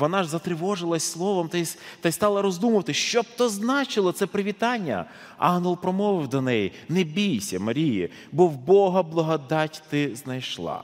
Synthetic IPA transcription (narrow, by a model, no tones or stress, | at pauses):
ʋɔnɑʒzɐt̪ɾɪʋɔʒɪlˠɐsʲslˠɔʋɔmt̪ɐjst̪ɐjst̪ɑlˠɐɾɔzd̪umʊʋɐt̪ɪʃt͡ʃɔb̚t̪ɔznɑt͡ʃɪlˠɔt̪sɛpɾɪʋʲit̪ɑnʲːɐ̰ | ɑ̰ɦnɔlˠpɾɔmɔʋɪwd̪ɔnɛji | nebʲijsʲɐmɐɾʲijḭ | bɔwbɔɦɐblˠɐɦɔd̪ɑtʲt̪ɪznɐjʃlˠɑ̰